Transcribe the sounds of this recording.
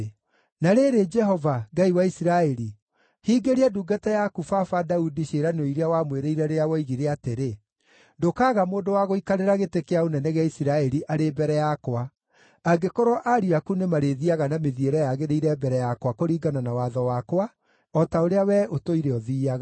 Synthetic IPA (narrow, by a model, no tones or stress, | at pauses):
naɾeɾed͡ʒɛɦɔvaɡaiwaisiɾaɛɾi | hiːɡeɾeaduːɡatajakufafadaudiɕeɾanoiɾeawamweɾeiɾɛɾeawɔiɣiɾeateɾe | ndokaːɣamoːndowaɣoikaɾeɾaɣetekeaonɛnɛɣeaisiɾaɛɾiʔaɾebɛɾɛjakwa | aɡekɔɾɔʔaɾiakunemaɾeðiaɣanameðieɾɛjaɣeɾeiɾɛbɛɾɛjakwakoɾiːɡananawaðɔwakwa | ɔtaoɾeawɛʔotoiɾeɔðiːaɣa